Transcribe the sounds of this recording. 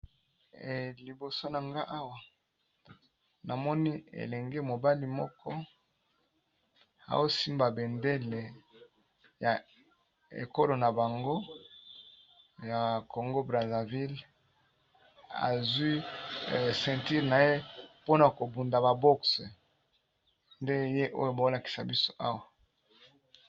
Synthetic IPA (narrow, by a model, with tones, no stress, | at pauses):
li˨bo˨so˦na˨ŋɡa˦ʔa˦wa˨ | na˨mɔ˦ni˦ḛ˨lɛ˨ŋɡe˦mo˨ba˦li˦mɔ˦kʰɔ˦ | a̰˨wo˦si˦mba˨be˨nde˦le˨ | ja˨ | ḛ˨ko˦lo˨na˨ba˨ŋɡo˦ | ja˨ko˨ŋɡo˦bʁa˨za˨vi˦l | a̰˨zwi˦˨ | sɛ̃˨nti˦ʁna˨je˦po˦na˨ko˨bu˨nda˨ba˨bɔ˦ks | nde˦je˦ʔo˦jo˨ba˨o˦la˨ki̥˨sa˨bi˦so̥˦ʔa˦wa˨